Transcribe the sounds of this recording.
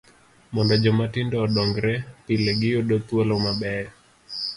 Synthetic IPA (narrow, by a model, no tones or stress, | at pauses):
mɔndɔd͡ʒɔmatindɔːɗɔŋɡɾɛpilɛɡiɔɗɔt̪ualɔmaɓɛɛ